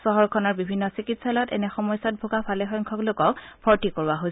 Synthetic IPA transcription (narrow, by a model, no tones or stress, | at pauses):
sɔɦɔɹkʰɔnaɹbibʱinːɔsikitsalɔtɛ̰nɛxɔmɔjsɔt̚bʱoɡapʰalɛxɔjŋkʰɔklokɔkbʰʱɔɹtikoɹaɦojs